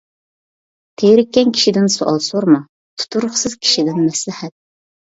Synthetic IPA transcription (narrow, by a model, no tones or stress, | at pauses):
t̪ʰejɾɪkʲːɛnkʲʰi̥ʃid̪ɪnsoʔɑlˠsoɾmu | t̪ʰu̥t̪ʰuɾʊχsɨz̥kʲʰi̥ʃid̪ɪnmɛslɪhɛt̪̚